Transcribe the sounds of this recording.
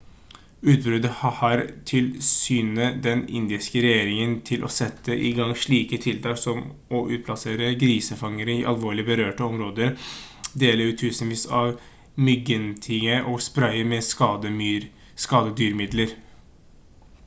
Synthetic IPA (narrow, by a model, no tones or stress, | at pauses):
ʉːt̪̚bɾʉd̪əhhɑɾt̪ʰɪlsyːnəd̪ɛnɪ̰nd̪ɪskəɾɛjeːɾɪŋənt̪ʰɪlʔɔ̰sɛt̪ʰːəʔɪ̰ɡɑŋʂɭiːkət̪ʰɪlt̪ʰɑːksɔmɔʔʉːt̪̚pʰlɑseːɾəɡɾiːsəfɑŋəɾəɪʔɑlʋoːɭɪbəɾøːʈəɔmɾoːd̪əɾ | d̪eːləɾʉːt̪ʰːʉːsənʋiːsɑʋ | mʏɡənt̪ʰɪŋəʔɔspɾœɪəmɛsɑd̪əmyɾ | skɑːd̪əd̪yːɾmɪd̪ləɾ